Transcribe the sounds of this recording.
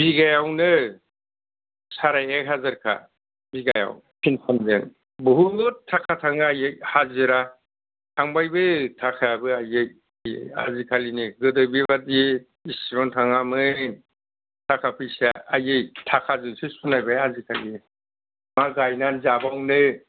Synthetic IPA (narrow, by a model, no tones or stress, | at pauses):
biɡajawnɯ | saɾajek̚ɦazaɾkʰa̰ | biɡaja̰w | pʰinpʰanzen | bɯɦubɔtʰːakʰatʰaŋaajejhaziɾa | tʰaŋbajbɯtʰakʰabɯajej | jḛja̰zikʰaliniɡɯdɯbibadi | isɾɔntʰaŋamɯn | tʰakʰapʰɯjsaajejtʰakʰazɯsisunajbeazikʰali | maɡajnanzabawnɯ